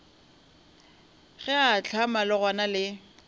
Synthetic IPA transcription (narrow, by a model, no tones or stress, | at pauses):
ɣɛat͡ɬʰamalɪɣwanalɪ